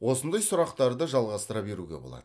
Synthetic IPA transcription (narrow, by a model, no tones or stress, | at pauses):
wo̞sənd̪ɑjsʊɾɑqt̪ɑɾd̪əʒɑlˠʁɑst̪əɾɑbe̞ɾuɡʲe̞̰bo̞̰lˠɑ̰d̪̥ə